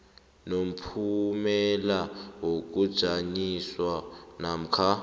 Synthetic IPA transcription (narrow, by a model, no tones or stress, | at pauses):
nom̩pʰumɛlawok̬ʼud̥ʒ̥ʱaɲiswanam̩kʰa